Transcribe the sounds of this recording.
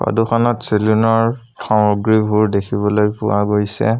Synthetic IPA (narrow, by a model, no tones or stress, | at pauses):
ba̰duxanɔtselunɔɹ | tʰɔmɔɡɹibʱuɹdekʰibɔlojpʊ̰waɡojsɛ̰